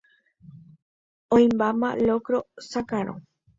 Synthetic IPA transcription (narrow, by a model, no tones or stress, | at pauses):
õĩmbamã̰lokɾosakaɾ̃õ̰